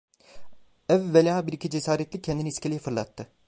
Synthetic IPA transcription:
ɛvːelʲaːbiɾicʰid͡ʒesaːɾɛt̪lʲicʰːɛnd̪iniiscʰelʲijɛfɯɾlˠat̪ʰːɯ

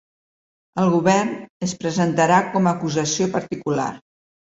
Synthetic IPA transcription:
əlˠɣuβɛrnəspɾəzənt̪əɾakɔməːkuzəsiopəɾt̪ikula̰r

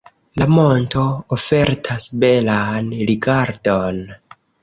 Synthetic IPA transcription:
lamo̞nto̞ofe̞ɾtʰasbe̞lanɾiɡaɾdo̞n

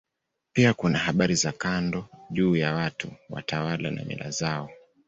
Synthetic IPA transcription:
piakunahaɓaɾizakandɔʄuːjawatuwa̰tawalana̰mḭlʔa̰zaɔ

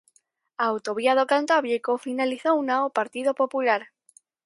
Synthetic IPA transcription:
awt̪oβ̞iað̞okant̪aβjekofinaliθounaopaɾt̪iðopopulaɾ

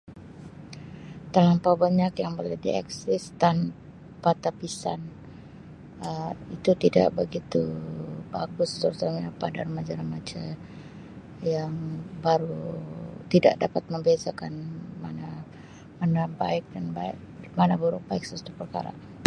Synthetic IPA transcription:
t̪alampabaɲakjaŋbolɛdḭa̰ksɪst̪an | pat̪apisan | əit̪ut̪ida̰ʔbəɡit̪ubaɡʊst̪əɾut̪aɲapadarmad͡ʒaɾahmad͡ʒa | jaŋbaɾu | t̪idaʔdapat̪̚məmbeasakanma̰na | manabaɪk̚danba | manabuɾubaɪk̚səust̪upərka̰ɾa̰

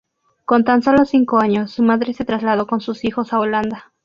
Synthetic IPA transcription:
ko̞nt̪anso̞lo̞siŋkoaɲo̞sːumaðɾe̞se̞t̪ɾazlað̞o̞ko̞nsusixo̞saoland̪a

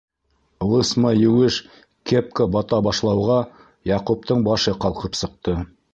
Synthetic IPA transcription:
lˠəsmɑjuweʃ | kʲʰep̚kobɑt̪ɑbɑʃlˠɑwʁɑ | jɑqup̚t̪əɴbɑʃəqʰɑlˠqəpsəq̚t̪ə

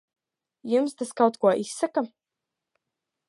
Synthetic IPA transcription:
jumst̪askawt̪kuɔʔisːaka

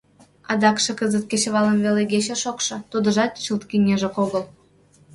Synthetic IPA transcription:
ɑd̪ɑkʃɤ̆kəzə̆t̪̚kʲet͡ɕβɑlə̆mveleɡʲet͡ɕĕʃokʃɤ̆t̪ud̪ə̆ʒɑt̪t͡ɕəlt̪kinʲeʒə̆koɣɤ̆l

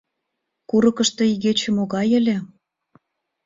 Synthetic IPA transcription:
kuɾɤ̆kə̆ʃt̪ɤ̆iɣet͡ɕĕmoɣɑjə̆lʲĕ

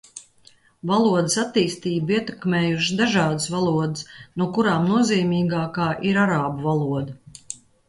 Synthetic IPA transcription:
valˠuɔd̪ɪsat̪ːiːst̪iːbiɛt̪ɛkmeːjuʃd̪aʒɑːd̪ɨsvalˠuɔd̪ɪsnuɔkuɾaːmnuɔziːmiːɡaːkaːʔiɾaɾaːbuvalˠuɔd̪ɐ

